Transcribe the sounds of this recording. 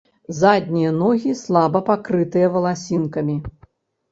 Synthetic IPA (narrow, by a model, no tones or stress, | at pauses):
zad̪ʲnʲijɐnɔɣʲislˠabɐpakɾɨt̪ɨjɐvɐlˠasʲinkɐmʲi